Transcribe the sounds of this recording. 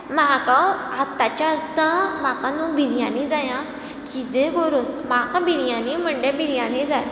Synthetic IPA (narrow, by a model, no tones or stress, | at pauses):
mɦakaat̪ːat͡ɕat̪ãmakãnũbʱiɾijãnid͡zajã | kit̪ẽɡoɾuːnmakãbiɾjãnim̤əɳɖebiɾjãnẽd͡zaj